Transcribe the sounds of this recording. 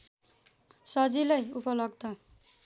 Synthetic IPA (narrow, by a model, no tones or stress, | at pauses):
sʌd͡zilajupʌlʌɡ̚d̪ʌ